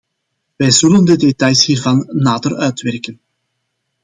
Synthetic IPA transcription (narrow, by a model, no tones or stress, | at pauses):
ʋɛjzɵləndədetɑjshiːrvɑnːaːdərœɥtʋɛrkən